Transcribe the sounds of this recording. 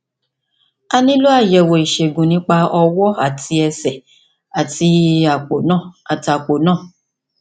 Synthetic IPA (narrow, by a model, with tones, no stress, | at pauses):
a˧nĩ˦lo˦a˦˨jɛ˨wo˨i˨ʃe˨ɡũ˨nĩ˨˦k͡pa˧ɔ˧wɔ˦a̰˦˨tʰi˧ɛ˧sɛ˨ | a˨ti˧a˨k͡po˨nã˦˨a˨ti˨a˨k͡po˨nãː˦˨